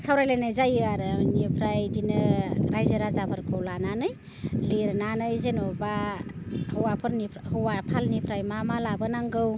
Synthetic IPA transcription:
sawɾajlenajzajɯaɾnipʰɾajdinɯɾajzaɾazabʰaɾkʰɯwlananɯj | liɾnanɯjzenoba | hɯwapʰɯɾnipʰhɯwapʰalnipʰɾajmamalabɯnaŋɡɯw

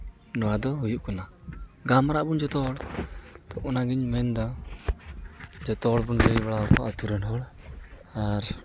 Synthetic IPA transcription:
nɔwad̪ɔɦujuʔkɔnaɡamɾaʔbund͡ʒɔt̪ɔɽt̪ɔʔɔnaɡiɲmɛnd̪a | d͡ʒɔt̪ɔɽbunbejbaɽaɔka̰ʔɔt̪uɾɛnɦɔɽ | aɾ

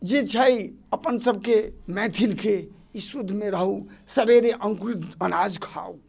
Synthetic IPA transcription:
d͡ʒet͡ʃʰəjəpənsəb̚ʱkemɛ̃t̪ʰilke | isud̪ʱmeɾəɦusəbeɾeʔəŋkɾut̪ənad͡ʒkʰa̰u

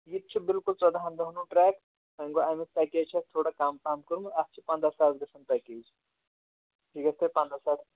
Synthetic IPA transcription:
jit̪̚t͡ʃʰibilkult͡sɔd̪aːɦɐnd̪ɐɦnuʈɾɛːk | ɦɐŋɡoajmest̪ɐket͡ʃʰɐst̪ʰoːɽakaːmkaːmkəɾumɐst͡ʃʰipɐ̃nd̪ɾasaːt̪ɡɐsʰɐnt̪ɐkeːd͡ʒʰ | ʈʰiɡɐst̪epɐ̃nd̪ɾasaːt̪ʰ

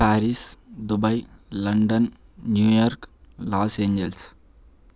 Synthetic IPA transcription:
pæːɾisd̪ʊbɐɪlɐɳɖɐnnjuːjɔːɾklaːsẽːɲd͡ʒɛls

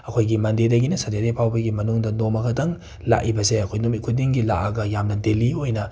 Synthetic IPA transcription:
ɐkʰojɡimɐndedɐɡinɐsɐdedepʰawbɐɡimɐnuŋdɐnomɐkʰɐtɐŋ | la̰ʔibɐseɐkʰojnumit̚kʰudiŋɡila̰ʔaɡɐjamnɐdeliojnɐ

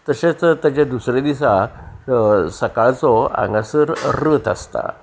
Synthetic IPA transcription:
t̪əɕet͡st̪jat͡ɕjad̪usɾed̪isa | səkaɭt͡sɔã̰ŋɡasəɾɾəːt̪ə̰st̪a̰

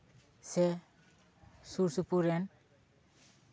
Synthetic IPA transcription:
se | suɾsupuɾen

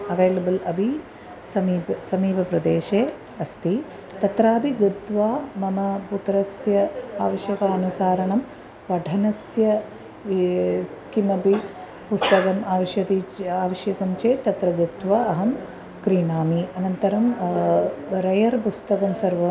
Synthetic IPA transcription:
ɐʋeːlɐbɐlɐbʱi | sɐmiːpsɐmiːpɐpɾɐd̪eːʃeː | ɐst̪i | t̪ɐt̪ɾaːbʱiɡɐt̪ʋaːmɐmɐput̪ɾɐsjɐaːʋɐʃjɐkaɐnusaːɾɐɳɐm | ʋɐɖʱɐnɐsjɐ | kimɐbi | pust̪ɐkɐmaːʋɐʃjɐt̪iaːʋɐʃjɐkɐmt͡ʃeːt̪ɐt̪ɾɐɡɨt̪ʋaːɐɦɐm | kɾiɳaːmiɐnɐnt̪ɐɾɐm | ɾɐjɐɾpust̪ɐkɐmsɐɾʋɐ

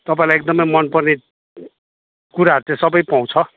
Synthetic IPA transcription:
t̪ʌpaĩlajek̚d̪ʌmʌjmʌnpʌrne | kuɾaɦʌɾut͡sẽsʌbʌjpaw̃t͡sʰʌ

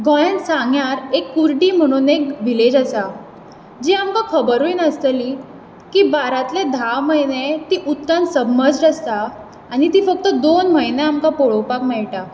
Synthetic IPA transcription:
ɡɔɭənsaŋɡjaɾekːuɾʈiːm̤əɽ̃unekʋiled͡ʑasa | d͡ʑiamkakʰəbəɾʋunəst̪əli | kibaɾat̪led̪ʱawməɦjnet̪iːʔut̪kãnsəbmːəd͡zɾəst̪aː | ɽ̃it̪iːfək̚t̪əd̪onməjneamkapoɭowpakmɛɭʈa

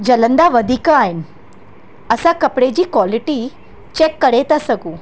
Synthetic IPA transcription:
d͡ʒɐlɐnd̪aʋɐd̪ʱikaːjn | ɐsakɐpɽeːd͡ʒikwaːliʈi | t͡ʃekːɐɽeːt̪ɐsɐɡu

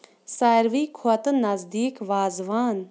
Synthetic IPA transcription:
saːɾʋiːkʰuɐt̪nɐzd̪iːkʋaːzʋaːn

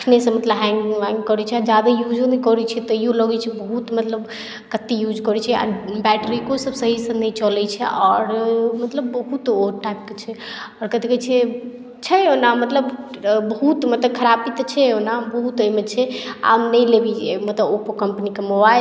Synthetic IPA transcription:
əkʰnesə̃mət̪ləbɦɛ̃ŋɡaŋɡkɔɾɛt͡ʃʰɛad͡ʒad̪ajud͡ʒonɛkɔɾɛt͡ʃʰɛt̪ɔiõləɡɛt͡ʃʰɛbəɦut̪mət̪ləb | kət̪ːijud͡ʒkɔɾɛt͡ʃʰɛa̰bɛʈɾikosəbsəɦisə̃nəjt͡ʃɔlɛt͡ʃʰɛʔɔɾmət̪ləbːəɦut̪oɾʈaip̚ket͡ʃʰɛɔɾkət̪ikət͡ʃʰɛ | t͡ʃʰɛonamət̪ləb | bəɦut̪mət̪əkʰəɾapit̪t͡ʃʰɛonabəɦut̪əimet͡ʃʰɛa̰mnəjlebiemət̪ləbopokəmpənikemobaj

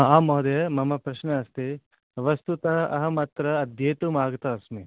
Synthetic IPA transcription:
aːmoːɐd̪ejɐmɐmɐpɾɐʃnɐːst̪i | ʋɐst̪ut̪ɐɦɐʔɐ̰ɦɐmɐt̪ɾɐːd̪ʱjeːt̪umaːɡɐt̪ɐɐsmi

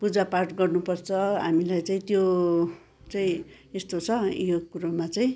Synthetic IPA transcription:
pud͡zaparʈɡʌrnupʌrt͡sʰʌɦa̰milajt͡saĩt̪jo | t͡saĩ | est̪ot͡sʰʌjokuɾomat͡saĩ

